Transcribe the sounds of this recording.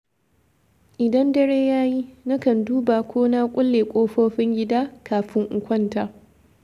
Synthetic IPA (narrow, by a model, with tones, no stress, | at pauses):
ʔɪ˨dɐ˦ndɐ˦ɽeː˦jaː˦ji˦na˦kɐ˨nduː˦ba˨kʷoː˦naː˦kʷʼʊ˦lːeː˨kʷʼoː˦ɸoː˦ɸɪ˦ŋɡʲɪ˦daː˦kaː˨ɸɪ˦ŋʔʊ˨kʷɐ˦ntaː˨